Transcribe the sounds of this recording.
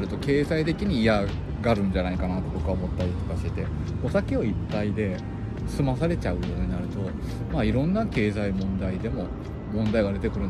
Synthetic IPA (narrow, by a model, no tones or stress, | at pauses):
ɾɯ̟t̪o̞ke̞ːzait̪e̞kʲiɲ̟iːa | ɡaɾɯ̟̃ɲ̟d͡ʑanaikanat̪ːo̞bo̞kɯ̟βaomo̞t̪ːaɾʲit̪o̥kaɕit̪e̞ | o̞sakʲeo̞ipːaid̪e̞ | sɨmasaɾe̞t͡ɕaɯ̟joːɲ̟inaɾɯ̟t̪o̞ | maːiɾõ̞nːake̞ːzaimõ̞nd̪aid̪e̞mo̞ | mõ̞nd̪aiɡad̪e̞t̪e̞kɯ̟ɾɯ̟n